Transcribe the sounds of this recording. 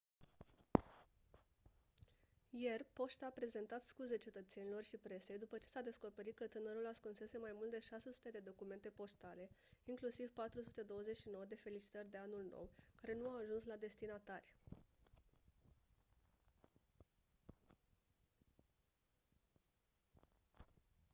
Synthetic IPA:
je̞rpo̞ʃt̪aːpɾe̞ze̞nt̪at̪skuze̞t͡ʃe̞t̪ət̪se̞nilo̞rʃipɾe̞se̞jd̪upət͡ʃe̞sad̪e̞sko̞pe̞ɾit̪̚kət̪ɨnəɾulaskunse̞se̞majmult̪d̪e̞ʃase̞su̥t̪e̞d̪e̞d̪o̞kume̞nt̪e̞po̞st̪ale̞iŋklusivpat̪ɾusut̪e̞d̪o̞wəze̞t͡ʃʲʃino̞wəd̪e̞fe̞lit͡ʃi̥t̪ərʲd̪e̞anulno̞̰wkaɾe̞nuawaʒunslad̪e̞st̪inat̪arʲ

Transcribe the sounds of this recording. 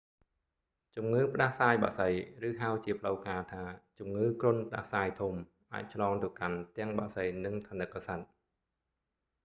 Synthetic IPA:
t͡ɕumŋɨːpə̆ɗahsaːjɓa̰ʔsəjrɨːɦawt͡ɕiəpʰələwkaːt̪ʰaːt͡ɕumŋɨːkrʊ̆ənpə̆ɗa̰hsaːjt̪ʰum | ʔa̰ːc̚t͡ɕʰlɑːŋt̪ɨ̆əkant̪ɛ̆əŋɓaʔsəjnɨŋt̪ʰaːnɨkːasat̪̚

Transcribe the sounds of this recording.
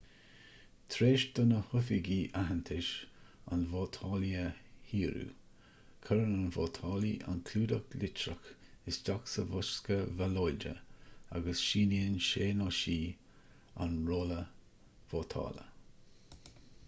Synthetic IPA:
t̪ʰɾeːʃd̪̥ʊnəhʊfiɡiːʔaɦənt̪ʰɪʃa̰nvot̪ʰɑːliəhiːɾṵː | kʰəɾənanvoːt̪ʰɑːliʔa̰nkʰluːdəklɪt͡ʃɾəxɪsdaksəvʊʃkəvalɔjd͡ʒə̰a̰ɡəsʃiːniənʃeːnɔʃiː | a̰nɹoːlə | v̥oːt̪ʰɑ̰ːlə̰

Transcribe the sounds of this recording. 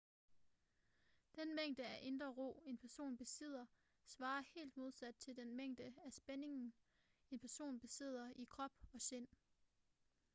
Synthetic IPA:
d̥enmeŋ̰d̥əæʔe̝nd̥ʁɐʁo̝̰ːe̝npʰæɐso̝̰ːnb̥e̝se̝ð̰ˠɐ | sʋɑ̈ːɐhe̝̰ːld̥̚mo̝ð̞ˠsæd̥̚t͡sʰe̝ld̥enmeŋ̰d̥əæsb̥eneŋn̩ | e̝npʰæɐso̝̰ːnb̥e̝se̝ð̞̰ˠɐʔikʰʁɒ̽b̥ɒ̽se̝n̰

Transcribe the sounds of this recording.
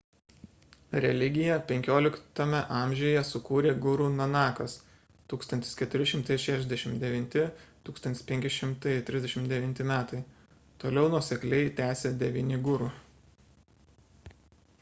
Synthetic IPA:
ɾʲɛlʲɪɡʲɪjɛpʲɛŋʲkʲoːlʲɪkt̪ɐmʲɛʔɑˑmʲʒʲeːjɛsʊkuːɾʲeːɡʊɾuːnɐnɑːkɐs | t̪uːkst̪ɐnʲt̪ʲɪskʲɛt̪ʊɾʲɪʃʲɪmt̪ɐɪʃʲæːʃʲɛzd̪ʲɛʃʲɪmt̪d̪ʲɛʋʲɪnʲt̪ʲɪt̪uːkst̪ɐnt̪ʲɪ̥spʲɛŋʲkʲɪʃʲɪmt̪ɐɪt̪ʲɾʲɪzd̪ʲɛʃʲɪmt̪d̪ʲɛʋʲɪnʲt̪ʲɪmʲæːt̪ɐɪ | t̪oːlʲɛʊnuɔsʲɛklʲɛɪt̪ʲæːsʲeːd̪ʲɛʋʲiːnʲɪɡʊɾu

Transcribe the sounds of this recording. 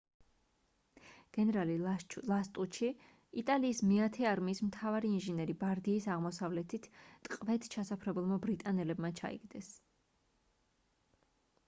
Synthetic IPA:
ɡ̥ɛnɛɾalilˠast̪ʼuʃʰi | it̪ʼaliːsmiat̪ʰɛaɾmiːsmt̪ʰavaɾiːnʒinɛɾibaɾd̪iːsaʁmɔsavlɛt̪ʰit̪ʰt̪ʼqʼvɛt̪ʰt͡ʃʰasapʰɾɛbulˠmabɾit̪ʼanɛlɛbmat͡ʃʰa̰ḭɡ̥d̪ɛs

